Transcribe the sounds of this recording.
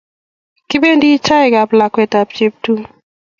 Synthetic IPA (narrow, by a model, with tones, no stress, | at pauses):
kɪ˦be˦ndi˦t͡ʃa˦ɛ˨ɡa˨pla˨kwɛ˨ta˨p̚t͡ʃe˨p̚tu˦